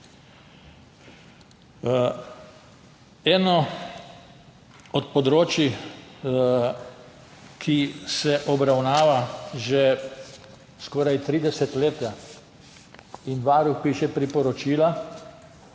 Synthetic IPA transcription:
ɛːnɔ | ɔt̪pɔd̪ɾoːt͡ʃi | kʰisɛʔɔbɾawnaːʋaʒe | skɔːɾajt̪ɾiːd̪ɛsɛt̪leːt̪ja | inʋaːɾuxpiːʃɛpɾipɔɾɔt͡ʃiːla

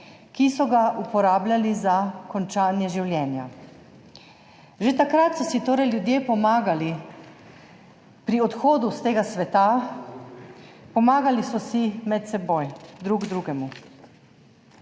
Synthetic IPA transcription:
kisɔɡaʔupɔɾaːblʲjalizakɔnt͡ʃaːnjɛʒiwljɛːnja̰ | ʒet̪akɾat̪sɔsit̪oːɾɛjljud̪jeːpɔmaɡali | pɾiɔt̪xoːd̪ust̪eːɡasʋɛt̪a | pɔmaːɡalisɔsimɛt̪̚sɛbojd̪ɾuɡd̪ɾuːɡɛmu

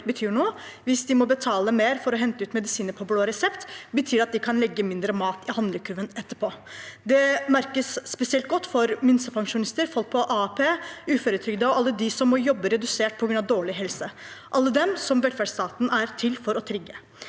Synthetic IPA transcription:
bət̪ʰyːɳoː | ʋɪsd̪ɪmɔbət̪ʰɑːləmeːɾfɔɾɔɦɛnt̪əʉːt̪mɛd̪ɪsiːnəɾpʰɔbloːɾɛsɛpt̪bət̪ʰyːɾɑt̪̚d̪ɪkʰɑnlɛɡːəmɪnd̪ɾəmɑːt̪ɪhɑnd̪ləkʰʉːʋənɛt̪ːəpʰoːd̪ɛmæɾkəsːpɛsɪɛlt̪̚ɡɔt̪ːfɔɾmɪnsəpʰɑŋʂʊnɪst̪əɾfɔlk̚pʰɔʔɑːpʰeːʉːføːɾət̪ʰɾʏɡd̪əɔʔɑlːəd̪ɪsɔmːɔjɔbːəɾɛd̪ʉseːʈ̚pʰɔɡɾʉnɑʋd̪oːɭɪɦɛlsə | ʔɑlːəd̪ɛmsɔmʋɛlfæɖʂst̪ɑːt̪n̩ʔæɾt̪ʰɪlfɔɾɔt̪ʰɾɪɡːə

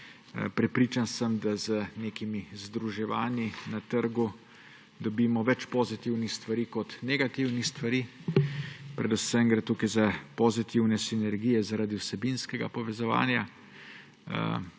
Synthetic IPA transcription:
pɾɛpɾiːt͡ʃansəmd̪azəneːkimizd̪ɾuʒɛʋaːninat̪əɾɡu | d̪ɔbiːmɔʋɛt͡ʃpozit̪iwnixst̪ʋaɾiːkɔt̪nɛɡat̪iwnixst̪ʋaɾiː | pɾɛd̪usɛmɡɾɛt̪uːkajzapozit̪iwnɛsinɛɾɡiːjɛzaɾaːd̪iwsɛbinskɛɡa̰pɔʋɛzɔʋa̰ːnja

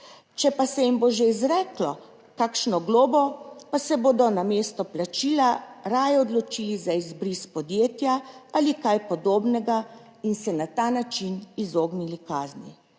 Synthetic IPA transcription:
t͡ʃɛpasɛjimboːʒeizɾɛːklɔ | kaːkʃnɔɡloːbɔpasɛboːd̪ɔnameːst̪ɔplat͡ʃiːlaɾaːjɛɔd̪lɔt͡ʃiːlizaizbɾispɔd̪jeːt̪jaalikajpɔd̪oːbnɛɡa | insɛnat̪anat͡ʃinizoːɡnilikaːznḭ

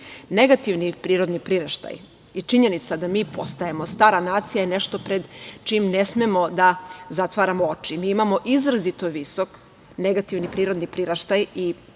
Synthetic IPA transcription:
ne̞ɡat̪iʋnipɾiːɾo̞d̪nipɾiɾaʃt̪a̰j | it͡ʃiɲenit̪sad̪amiːpʰo̞st̪ajemo̞st̪aːɾanaːt̪sijajene̞ʃt̪o̞pɾe̞d̪t͡ʃimne̞smemo̞d̪azat̪ʋaːɾamoo̞t͡ʃimiːimamo̞ʔizɾazit̪oʋiso̞k | ne̞ɡat̪iʋnipɾiːɾo̞d̪nipɾiɾaʃt̪aji

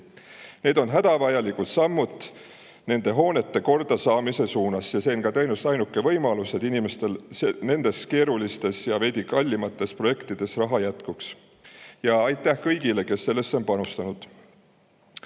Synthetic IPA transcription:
ne̞ːd̪o̞nɦæd̪ɑvɑjɑlikut̪sɑmːut̪ˑː | ne̞nd̪̥e̞ɦo̞ːne̞t̪ːe̞ko̞rd̪̥ɑsɑːmise̞suːnɑsjɑse̞ːnkɑt̪ɤjnust̪ɑjnukːˑe̞vɤ̞jmɑluse̞d̪̥inimest̪e̞lsne̞nd̪̥e̞ske̞ːɾulist̪e̞sjɑve̞d̪ʲikɑlʲːimɑt̪ːˑe̞spro̞je̞kt̪id̪̥e̞srɑɦɑjæt̪kuks | jɑɑjt̪ːˑæhkɤ̞jɡ̥ile̞ke̞sːe̞lːe̞st̪ːo̞npɑnust̪ɑnud̪̥

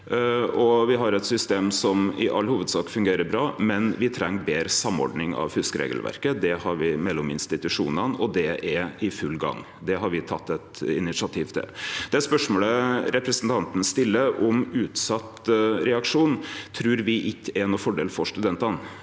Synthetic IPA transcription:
ɔʋɪɦɑɾɛt̪sʏst̪eːmsɔmɪ̰ʔɑlːhuːʋəd̪sɑːkfʉŋɡeːɾəɾbɾɑːmɛnʋɪt̪ʰɾɛŋːbeːɾəsɑmːɔ̰ɖnɪŋɑ̰ʋhʉskəɾḛːɡəlʋæ̰ɾkəd̪ɛhɑɾʋɪmɛlːɔmɪnst̪ɪt̪ʉʂṵːnɑnɔd̪ɛɛɪfʉlːɡɑ̰ŋː | d̪ɛɦɑɾʋɪt̪ʰɑ̰t̪ːɛt̪ɪnɪsɑt̪ʰiːʋt̪ʰɛ̰ld̪̥ɛæspœʂmoːləɾɛpɾəsənt̪ʰɑnt̪n̩st̪ɪlːəʔɔmʉːt̪sɑt̪ɾɛɑkʂuːnt̪ʰɾʉːɾʋɪʔɪkːəɛɛnɔfɔɖeːlfɔʂt̪ʉd̪ɛnt̪ɑn

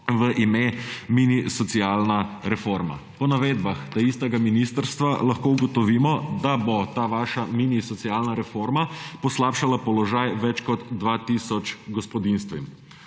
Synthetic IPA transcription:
ʋəʔimeminisɔt̪sialnaɾɛfoɾma̰pɔnaʋeːd̪baxd̪aist̪ɛɡaminist̪əɾst̪ʋalaxkouɡɔt̪ɔʋiːmɔd̪abot̪aːʋaːʃaminisɔt̪siaːlnaɾɛfoɾmapɔslaːpʃalapɔlɔʒajʋɛt͡ʃkɔd̪ːʋat̪iːsɔt͡ʃɡɔspɔd̪inst̪ʋḭm

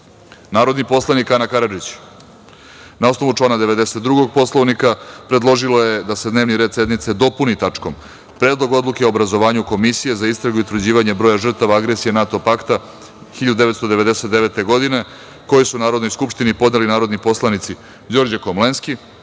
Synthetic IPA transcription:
naːɾo̞d̪nipo̞slˠanikanakaɾad͡ʒit͡ɕ | nao̞sno̞ʋut͡ʂlˠaːnad̪e̞ʋe̞d̪ese̞t̪d̪ɾuɡo̞ɡ̚po̞slˠoʋnikapɾe̞d̪lˠo̞ʒilo̞je̞d̪ase̞d̪neʋniɾed̪se̞d̪nit̪se̞d̪o̞punit̪at͡ʂko̞m | pɾeːd̪lo̞ɡo̞d̪lukeobɾazo̞ʋaːɲuko̞misije̞zaist̪ɾaɡuiut̪vɾr̩d͡ʑiːʋaɲebɾoːjaʒr̩t̪aʋaaɡɾesije̞nat̪o̞pakt̪a | xiʎad̪ud̪eʋet̪st̪o̞d̪e̞ʋe̞d̪e̞set̪d̪eʋe̞t̪e̞ɡo̞d̪ine̞ | ko̞jesunaːɾod̪no̞jskupʂt̪inipo̞d̪nelinaːɾo̞d̪nipo̞slˠanit̪si | d͡ʑo̞ɾd͡ʑakomlenski

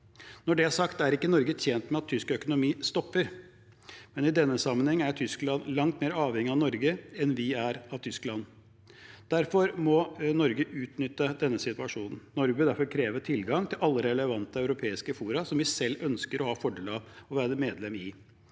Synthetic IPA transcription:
nɔɖɛæʂɑkt̪æɾɪkːənɔɾɡət̪ɛːnt̪mɛɑt̪ʰːʏskœkʊnʊmiːst̪ɔpːəɾ | mɛnɪd̪ɛnːəsɑmːənhɛŋːəæʈʰʏsklɑnlɑŋt̪meːɾɑːʋhɛŋːɪɑnɔɾɡəɛnʋɪæɾɑʋt̪ʰʏsklɑnː | d̪̥æɾfɔɾmɔnɔɾɡəʔʉːt̪nʏt̪ːəd̪ɛnːəsɪt̪ʉɑʂuːnn̩nɔɾɡbəd̪æɾfɔɾkʰɾeːʋəʈʰɪlɡɑŋt̪ʰɪlʔɑlːəɾɛləʋɑnt̪əɑʉɾʊpʰeːɪskəfuːɾɑsɔmʋɪsɛlːœnskəɾʔɔhɑːfɔɖeːlɑʋɔʋæːɾəmeːd̪lɛmɪ

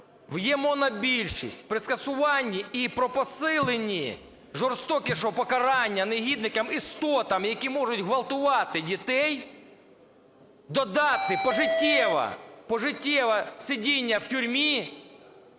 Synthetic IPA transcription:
ʋjɛmɔnɐbʲilʲʃḭsʲtʲpɾɪskɐsʊʋɑnʲːiipɾɔpɔsɪlˠenʲːi | ʒɔrst̪ɔkʲɪʃɔɦɔpɔkɐɾɑnʲːɐneɦʲid̪nɪkɐmist̪ɔt̪ɐmjɐkʲimɔʐʊtʲɦʋɐlˠt̪ʊʋɑt̪ɪdʲit̪ɛj | d̪ɔd̪ɑt̪ɪpɔʒɪtʲːɛʋɐ̰pɔʒɪtʲːɛʋɐsʲɪdʲinʲːɐwtʲʊɾʲmʲi

